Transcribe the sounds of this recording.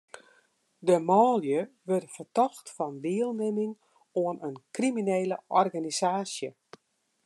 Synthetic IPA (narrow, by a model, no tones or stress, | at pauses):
dəmɔːljə | ʋɪrfərtɔxtfɔndɪəlˠnɪmɪŋ | oənənkrimineːləʔɔrɣanisaːsjə